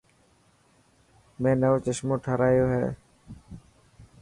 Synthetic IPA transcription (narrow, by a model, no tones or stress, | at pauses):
mẽːnəʋoːt͡ʃəʃmõːʈʰəɾaːjoːɦɛ̰ː